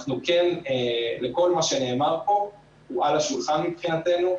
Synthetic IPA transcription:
aχnukeneleko̞lmaʃe̞ne̞ːmaʁpo̞ | ualaʃulχanmipχinat̪e̞nu

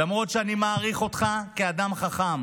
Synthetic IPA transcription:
lamʁo̞tʃeanimaːʁiχo̞t̪χakead̪amχaχam

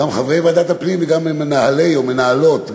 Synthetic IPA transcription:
amχavejvead̪at̪apnimveɡammenahalejome̞naalo̞t̪

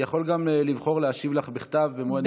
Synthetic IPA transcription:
jaχo̞lɡamlivχo̞ʁleaʃivlaχbiχt̪avːemoan

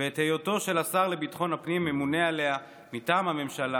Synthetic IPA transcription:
veːt̪hejo̞to̞ʃe̞lasaʁle̞bitχo̞nhapnimːemune̞ale̞a | mitaːmhame̞mʃala

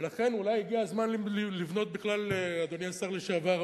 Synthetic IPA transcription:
laχe̞nulajiɡiazmanllivno̞t̪̚biχlalead̪oniasaʁle̞ʃeavaʁ

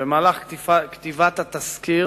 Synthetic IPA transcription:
bemaːlaχifakt̪ivat̪at̪askiʁ

